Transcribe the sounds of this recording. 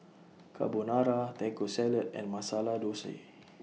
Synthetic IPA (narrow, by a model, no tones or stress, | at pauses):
kʰa̰bonaɾat̪ɛkosɛlət̪̚ɛ̰̃nmasaladosḛ